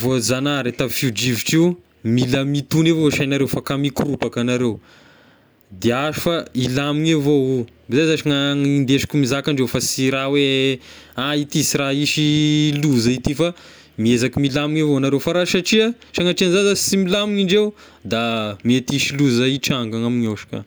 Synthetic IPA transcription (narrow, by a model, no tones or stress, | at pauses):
vozanaɾet̪afud͡ʒiviʈ͡ʂiw | miləmit̪unevoʃajnaɾewfakamikurupakanaɾew | d̪eaʒufailamiŋavou | bizajzaʃaŋaŋind̪eʃi̥kumizakaɳɖ͡ʐewfasiɾawe | ait̪isiɾaiʃiluzait̪ifa | miezakimilamiŋavonaɾewfaɾaʃaʈ͡ʂia | t͡ʃaŋaʈ͡ʂianzazasimilamiŋiɳɖ͡ʐew | d̪amiet̪iʃiluzaiʈ͡ʂaŋɡaŋamiɲoʃḁka̰